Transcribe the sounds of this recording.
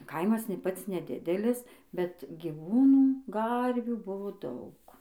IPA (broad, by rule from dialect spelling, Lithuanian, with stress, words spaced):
ˈkɐɪmɐs nʲeː ˈpɐts nʲɛˈdʲɪdʲɛlʲɪs bʲɛt ɡʲiːˈʋuːnuː ˈɡɐrʲʋʲuː ˈbʊʋoː ˈdɐʊk